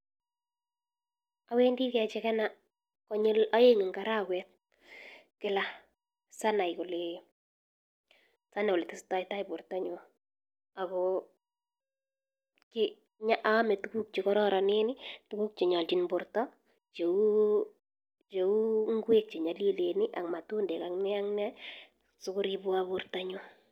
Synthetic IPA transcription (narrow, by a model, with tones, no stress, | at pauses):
awe˦ndi˦kɛ˨t͡ʃɛkɛ˦na˦ | kɔ˦ɲe˦la˦je˦ŋɪ˨ŋɡa˨ɾa˦kwɛt̚ | kɪ˦la˦ | sa˦na˨jko˨le | sa˦na˨o˨le˨tɪ˨sta˨ɪta˦ibʊ˨ɾtɔ˦ɲɔ˨ | a˨ɡɔ | kɪ | ɲa˦ʔa˦mɛ˨tu˦ku˦k̚t͡ʃi˨kɔ˦ɾɔ˦ɾa˨nɪ˦nɪtu˦ku˦k̚t͡ʃe˨ɲɔ˨lt͡ʃinbʊrtɔ˦ | t͡ʃe˨u | t͡ʃeu˦ŋɡwe˦k̚t͡ʃe˨ɲɔ˨lje˦le˨nɪ˦ʔa˨ŋma˨tu˦ndɛ˨ka˨ŋnɛ˦a˦ŋna˦ | sʊ˦kʊɾi˦bʊ˦abʊrta˦ɲo˦